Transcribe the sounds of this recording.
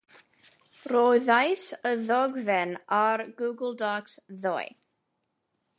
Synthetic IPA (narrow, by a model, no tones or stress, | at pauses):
roːɨðajsəðɔɡvɛnarɡuɡəlˠdɔksðɔj